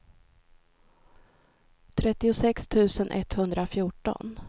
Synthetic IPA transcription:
t̪ʰɾɛt̪ːɪʊsɛkst̪ʰʉ̟ːsənʔɛ̰t̪hɵnd̪ɾafjuːʈɔ̰n

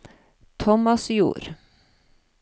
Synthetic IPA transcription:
t̪ʰɔmɑsjṵːɾ

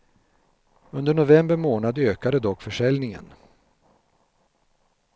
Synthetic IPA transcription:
ɵnd̪əɳʊvɛmbəɾmoːnad̪øːkad̪əd̪ɔkːfœʂɛlnɪŋə̰n

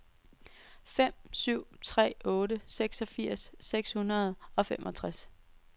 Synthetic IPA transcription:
fem̰syʊ̰t͡sʰʁɛ̰ːɔːɾəseɡ̥sɒ̽fiɐ̰sːeɡ̥shunɐð̞ˠɒ̽femʔɒ̽t͡sʰʁas

